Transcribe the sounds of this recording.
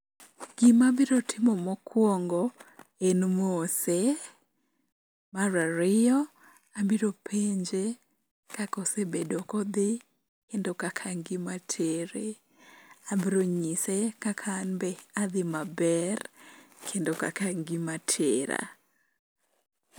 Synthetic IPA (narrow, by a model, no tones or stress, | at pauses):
ɡ̥ɪmabɪɾotʰɪmɔmɔkwɔŋɡɔenmose | maɾaɾɪjɔ | abiɾopʰeɲd͡ʒe | kakɔsebedokɔd̪ɪ | kendokakʰaŋɡɪmatʰeɾe | abiɾoɲisekakʰanbɛad̪ɪmabɛrkʰendoka̰kaŋɡimatʰeɾa̰